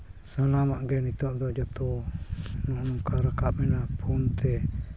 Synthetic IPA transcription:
sanamaʔɡɛnit̪ɔʔd̪ɔd͡ʒɔt̪u | nuʔnuŋkaɾakaʔmɛnapʰumt̪ʰɛ

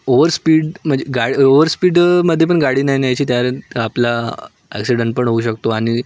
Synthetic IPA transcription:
oʋəɾspiːɽm̤əɳd͡ʑeɡaɽioʋəɾspiːɽməd̪ʱːjepəɳɡaɽiːnaɦinajt͡ɕiːt̪jaɾapla | æ̰ksiɖəɳʈ̚pəɳɦouɕək̚t̪oaɽ̃i

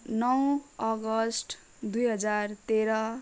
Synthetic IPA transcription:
nʌw̃ʌɡʌsʈ | d̪ujɦʌd͡zart̪eɾʌ

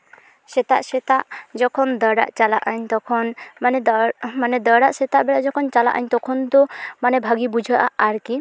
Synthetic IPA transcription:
sɛt̪aʔsɛt̪aʔd͡ʒɔkʰɔnd̪əɖa̰ʔt͡ʃalaʔaɲt̪ɔkʰɔnmanɛmanɛd̪əɽaʔsɛt̪aʔbɛɽaʔd͡ʒɔkʰɔnt͡ʃala̰ʔaɲt̪ɔkʰɔnd̪ɔmanɛbʱaɡibud͡ʒʱaʔaaɾki

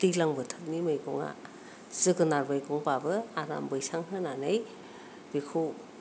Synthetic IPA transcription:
dilaŋbɯtʰɯk̚nimɯjɡɔŋa̰ | z̥ɯɡɯnaɾbɯjɡɔŋpabɯaɾa̰mbɯjsaŋɦɯnanɯj | b̥ikʰu

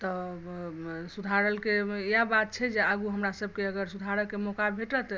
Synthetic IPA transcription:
t̪ɔ | sud̪ʱaɾəlkeijabat̪̚t͡ʃʰɛd͡ʒeaɡuɦəmɾasəb̚ʱkeəɡəɾsud̪ʱaɾəlkemokabʱeʈət̪

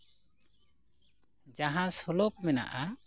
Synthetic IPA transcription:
d͡ʒaɦãsɔlɔp̚mɛna̰ʔa

